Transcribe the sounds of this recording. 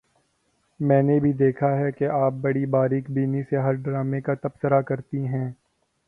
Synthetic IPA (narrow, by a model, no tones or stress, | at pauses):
mɛ̃ːnebʱid̪eːkʰaɦɛkeʔaːp̚bɐɽibaːɾiːkbiːniseɦɐɾɖɾaːmekat̪ɐbsəɾakɐɾt̪iɦɛ̃ː